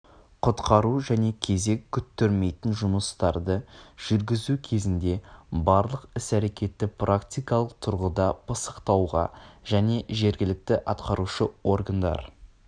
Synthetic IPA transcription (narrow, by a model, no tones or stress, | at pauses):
qʰʊt̪qɑɾuʒæne̞kʲʰe̞ze̞kʲʰːʏt̪ːeɾme̞jt̪ɪnʒʊməst̪ɑɾd̪əʒ̥ʏɾɡʲɪzukʲʰe̞zɪnd̪e̞bɑɾlˠəqɪsæɾe̞kʲe̞t̪ːɪprakt̪ʲijkɑlˠəq̚t̪ʰʊɾʁəd̪ɑbəsə̥qt̪ɑwʁɑ̰ʒ̥æne̞ʒe̞ɾɡʲɪlɪk̚t̪ɪʔɑt̪qɑɾuʃəwo̞rɡand̪ɑ̰ɾ